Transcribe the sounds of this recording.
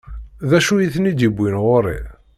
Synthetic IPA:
ðæʃujiθnid̪ibʷːinʁoɾḭ

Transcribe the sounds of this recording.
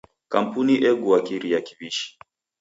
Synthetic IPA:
kam̩puniʔɛɡuwakiɾijaki̥viʃi̥

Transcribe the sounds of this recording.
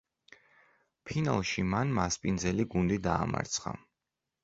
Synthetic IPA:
pʰina̰lˠʃimanmaspʼind̪zɛliɡund̪id̪aːma̰ɾt̪sʰχa̰

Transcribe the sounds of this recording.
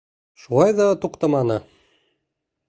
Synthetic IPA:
ʃulˠɑjðɑt̪uqt̪ɑmɑnɤ

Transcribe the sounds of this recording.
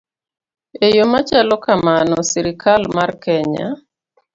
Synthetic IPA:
ejomat͡ʃalɔkamanɔsiɾikʰalmarkɛɲa̰

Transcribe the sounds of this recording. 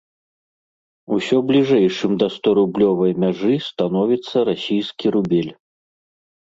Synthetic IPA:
usʲɔblʲiʐɛjʂɨmd̪ɐst̪ɔɾublʲɔvɐjmʲaʐɨst̪an̪ɔvʲit̪sːɐɾasʲijskʲiɾubʲelʲ

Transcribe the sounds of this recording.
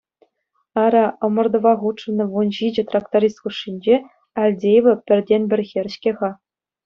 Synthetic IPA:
ɑɾʲɑɤ̆mɤ̆rd̪ɤ̆ʋɑʁutʂɤ̆nɤ̆ʋunʑid͡ʑɘ̆t̪rɑkt̪oɾʲist̪kuʂːinʲd͡ʑe | ɑlʲdʲejʋɤ̆pʲɘ̆rʲdʲenʲbʲɘ̆rʲɣʲerʲɕkʲeʁɑ

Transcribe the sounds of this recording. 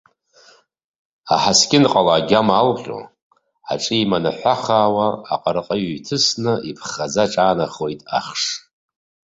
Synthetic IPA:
a̰ħaskʲɪnqʼalaːɡʲamalqʲʼo̰ | a̰ʈ͡ʂʼiimanaħʷaχaːwaːqʼarqʼaɥjtʰɨsnɨʔipʰχad͡zaʈ͡ʂʼaːnaχo̞jtʼa̰χʂ

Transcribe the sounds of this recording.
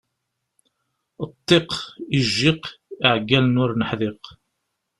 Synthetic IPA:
ət̪ˤːiqiʒːiqiʕɡːælnʊɾnəħðiq

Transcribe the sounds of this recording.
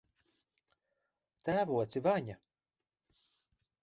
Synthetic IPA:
t̪æːvuɔt̪sivaɲa

